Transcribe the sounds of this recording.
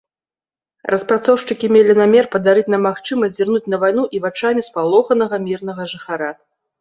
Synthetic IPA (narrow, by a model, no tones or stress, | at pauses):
rʔɐspɾat̪sɔwʂt͡ʂɨkʲimʲelʲinamʲɛrpɐd̪aɾɨt͡sʲnɐmːaxt͡ʂɨmɐsʲd͡zʲirnut͡sʲn̪ɐvajn̪uʔivat͡ʂamʲispalˠɔxɐn̪ɐɣɐmʲirnɐɣɐʐɨxaɾa